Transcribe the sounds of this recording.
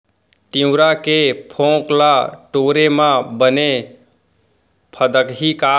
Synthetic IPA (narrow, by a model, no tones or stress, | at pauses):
t̪iʊ̃ɾakepʰõklaʈoɾemãbəne | pʰəd̪əkɦika